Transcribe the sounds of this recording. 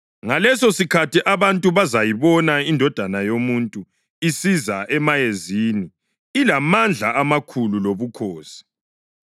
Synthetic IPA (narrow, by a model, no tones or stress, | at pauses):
ŋalɛsosikʰatʰiʔaβantʼuβazajiβɔnaindʱɔd̥ʱanajomuntʼu | isizaʔɛmajeziːni | ilamand͡ɮʱaamakʰululoβukʰoːsi̥